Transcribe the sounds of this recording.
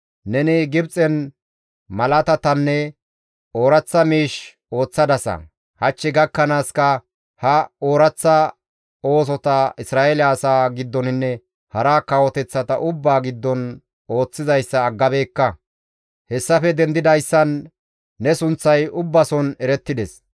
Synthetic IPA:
nɛnɪɡɪbt͡sʼɛn | mɐlɐt̪ɐt̪ɐnːɛ | o̞ːɾɐt͡sːɐmiːʃ | o̞ːt͡sːɐd̪ɐsɐ̰ | hɐt͡ʃːɪɡɐkːɐnaːskɐ | hɐoːɾɐt͡sːɐ | o̞ːs̬ɔt̪ɐɪsɾaːʔelaːsaːɡɪd̪ːɔnɪnːɛ | hɐɾaːkɐwɔt̪ɛt͡sːɐt̪ɐʔʊbːaːɡɪd̪ːɔn | o̞ːt͡sːɪzɐjsːɐːɡːɐbe̞ːkːɐ | hɛsːɐfɛd̪ɛnd̪ɪd̪ɐjsːɐnː | ɛsʊnt͡sːɐjʊbːɐsɔnɛɾɛt̪ːɪd̪ɛs

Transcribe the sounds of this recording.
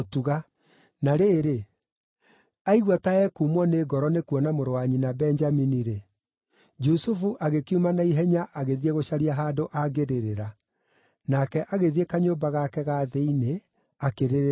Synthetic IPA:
otuɣa | naɾeːɾe | aiɣwataɛkumɔneɡɔɾɔnekuɔnamoɾowaɲinabɛɲd͡ʒaminiɾe | d͡ʒusufuʔaɣekiumanaiɦɛɲaʔaɣeðieɣoɕaɾiaɦaːdoʔaɣeɾeɾeɾa | nakɛʔaɣeðiekaɲoːmbaɣakɛɣaðeine | akeɾeɾ

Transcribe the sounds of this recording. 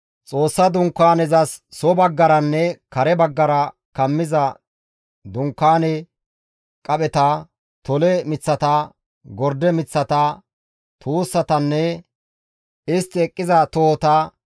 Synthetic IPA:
t͡sʼo̞ːsːɐd̪ʊŋkːaːnɛzɐsːɔbɐɡːɐɾɐnːɛkɐɾɛbɐɡːɐɾɐ | kɐmːɪzɐ | d̪ʊŋkːaːnɛ | kʼɐɓɛt̪ɐ | t̪ɔlɛmɪt͡sːɐt̪ɐ | ɡɔɾd̪ɛmɪt͡sːɐt̪ɐ | t̪ʰuːsːɐt̪ɐnːɛ | ɪst̪ːɪɛkʼːɪzɐt̪oːt̪ɐ

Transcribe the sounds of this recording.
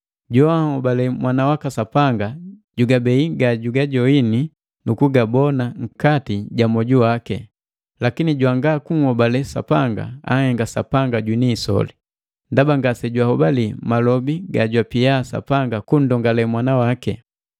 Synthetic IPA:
ɟɔahɔbalɛmwanawakasapaŋɡaɟuɡabɛiɡaɟuɡaɟɔini | nukuɡabɔnaŋ̩katiɟamɔɟuwakɛ̰ | lakiniɟwaŋɡakuŋhɔbalɛsa̰paŋɡa̰a̰hɛŋɡasa̰paŋɡaɟwiniːsɔ̰li | ndabaŋɡasɛɟwahɔbalimalɔbiɡaɟwapijasa̰paŋɡakun̩dɔŋɡalɛmwanawakɛ̰

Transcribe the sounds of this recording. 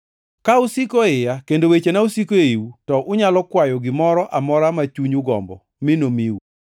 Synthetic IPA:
kaʊsikoɪjakendowet͡ʃenausikoiwutɔʔʊɲalɔkwajɔɡɪmɔɾɔʔamɔɾamat͡ʃuɲuɡɔ̰mbɔ̰ | mɪnomiwu

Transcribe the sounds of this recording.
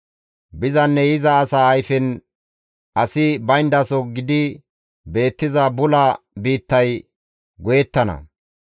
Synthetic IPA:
bɪzɐnːɛjɪzɐːsaːjfɪn | ʔɐsɪbɐjnd̪ɐsɔɡɪd̪ɪ | be̞ːt̪ːɪzɐbʊlɐ | biːt̪ːɐj | ɡɔjɛt̪ːɐnɐ̰

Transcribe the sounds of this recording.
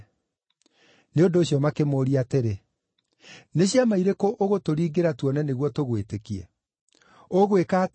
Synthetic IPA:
neondoːɕjɔmakemoːɾiateɾe | neɕiamaiɾekoʔoɣotoɾiːɡeɾatwɔnɛneɣwɔtoɣwetekiɛ̰ | oɣwekaːt

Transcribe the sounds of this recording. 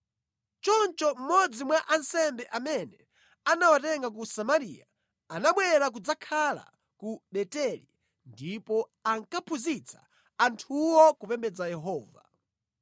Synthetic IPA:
t͡ʃɔnt͡ʃɔm̩mɔd͡zimwaʔansɛmbɛʔamɛnɛ | anawatɛŋɡak̬usamaɾḭa | anaɓwɛɾak̬ud͡zakʰala̰ | kuɗɛtɛlḭ | ndipɔaŋkapʰuzit͡sʰḁ | antʰuwɔkupɛmbɛd͡zajɛɦɔːva̰

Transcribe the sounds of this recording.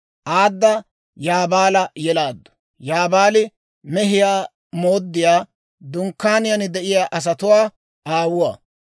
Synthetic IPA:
ʔaːd̪ːɐ | jaːbaːlɐjɛlaːd̪ːʊ̥ | jaːbaːlɪ | mɛɦɪjaː | mo̞ːd̪ːɪjaː | d̪ʊŋkːaːnɪjɐnɪd̪ɛʔɪjaːʔɐs̬ɐt̪ʊwaː | ʔaːwʊwa̰ː

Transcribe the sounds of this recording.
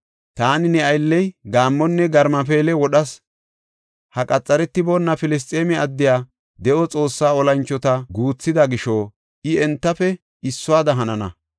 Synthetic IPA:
t̪aːnɪnɛɐjlːɛjɡaːmːɔnːɛɡɐɾmɐp̬eːlɛwɔɗɐs | hɐkʼɐt͡sʼːɐɾɛt̪ːɪbɔnːɐfɪlɪs̬t̪ʼːeːmɛɐd̪ːɪjaː | d̪ɛʔɔt͡sʼo̞ːsːaːɔlɐnt͡ʃːɔt̪ɐɡuːt͡sːɪd̪ɐɡɪʃɔ | ʔɪɛnt̪ːɐfɛ | ɪsːʊwaːd̪ɐɦɐnɐnɐ̰

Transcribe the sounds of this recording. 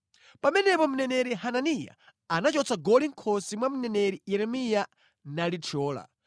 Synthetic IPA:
pamɛnɛpɔmunɛnɛɾiɦananija̰ | anat͡ʃɔt͡sʰaɡɔliŋ̩kʰɔsimwamunɛnɛɾijɛɾɛmija | nalitʰɔːla̰

